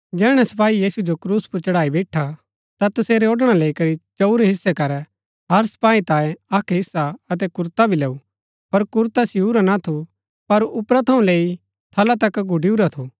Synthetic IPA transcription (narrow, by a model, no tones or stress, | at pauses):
d͡ʒɛːɽ̃ɛsɐpaːijiːsud͡ʒokɾuːspʊɾt͡ʃɐɽaːibɛːʈʰa | t̪at̪ɐseːɾeoɖɽ̃aleːikɐɾit͡ʃɐuɾeɦɪsːɛkɐɾɛ | ɦɐɾsɐ̥paːit̪ãːjẽɐkʰɦɪsːaɐt̪̬ɛkʊɾt̪abʱileːu | pɐɾkʊɾt̪asɪuɾanat̪ʰu | pɐɾʊpɾat̪ʰɐũleːi | t̪ʰɐlat̪ɐkɡʱʊɖiuɾat̪ʰu